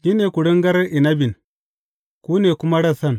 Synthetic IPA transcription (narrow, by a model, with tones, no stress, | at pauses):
ɡi˦neː˨ku˨ɽi˦ŋɡɐ˦ɾi˨nɐ˦bi˨n | kuː˦neː˨kʊ˦ma˦ɽɐ˦sɐ˦n